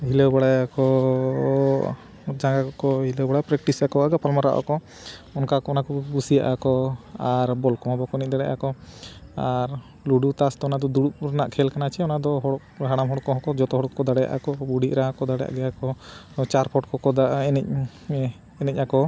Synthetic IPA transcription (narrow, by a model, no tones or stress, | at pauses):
hilɛwbaɽajakɔ | d͡ʒaŋɡakɔkɔɦilɛwbaɽapɾɛk̚ʈisakɔaɡapalmaɾaʔa̰kɔ | ɔnkakɔɔnakɔbusijaʔakɔaɾbɔlkɔmabɔkɔnɛc̚d̪aɽɛʔa̰kɔ | aɾ | luɖut̪asd̪ɔɔnad̪ɔd̪uɽuʔɾanaʔkʰɛlkanat͡ʃʰɛɔnad̪ɔɦɔɽɔkɦaɽamɦɔɽɔkɔɦɔ̃kɔd͡ʒɔt̪ɔɦɔɽɔkːɔd̪aɽɛja̰ʔa̰kɔbuɽiʔɾaakɔd̪aɽɛja̰ʔɡɛjakɔt͡ʃaɾpʰɔʈkɔkɔd̪aɛnɛc̚ | ɛnɛc̚akɔ